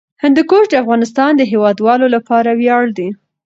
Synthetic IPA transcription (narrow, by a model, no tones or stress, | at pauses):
hɪnd̪ikoɾd̪əafɣɑnɪst̪ɑnd̪əɦewɑd̪wɑlolapɑɾawjɑɽd̪i